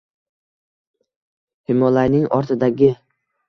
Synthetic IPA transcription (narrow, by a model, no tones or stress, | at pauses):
hɪmɒlajnɪŋɒɾt̪ʰɪd̪aɡʲɪ